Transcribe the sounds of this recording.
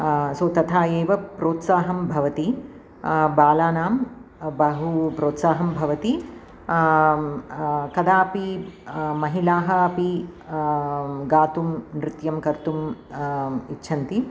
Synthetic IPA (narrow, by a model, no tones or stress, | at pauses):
soːt̪ɐt̪ʰaːjeːʋɐpɾoːt̪saːɦɐmbʱɐʋɐt̪i | baːlaːnaːm | bɐɦupɾoːt̪saːɦɐmbʱɐʋɐt̪i | kɐd̪aːpi | mɐɦilaːɦɐ̆ɐpi | ɡaːt̪umnɾɪt̪jɐmkɐɾt̪um | itːʃʰɐnt̪i